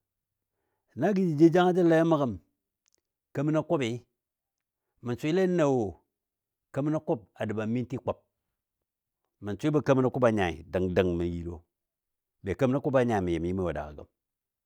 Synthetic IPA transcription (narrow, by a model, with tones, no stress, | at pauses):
na˦ɡi˦d͡ʒi˨d͡ʒi˦d͡ʒa˦ŋa˦d͡ʒi˦la˦ja˦ma˦ka˦˨m | kə˦mi˦na˦ko˦pi˨˦ | mi˨n˨t͡sʷi˦le˦na˨wo˨ | kə˦m˦na˦ko˦p̚a˨dɨ˨ba˨˦mi˦n˦ti˦k͡pa˨p̚ | mi˨nt͡sʷi˦bɐ˦kə˦mi˦na˦ku˦pa˨ɲa˨ḭ˨də˨ŋdə˨ŋmi˨ji˨ɾo̰˨ | be˨kə˦m˦na˦ku˦ba˨ɲa˨i˨mi˨je˨m˨ji˦mi˦˨wa˨da̰˨ka̰˨ɡə̰˨m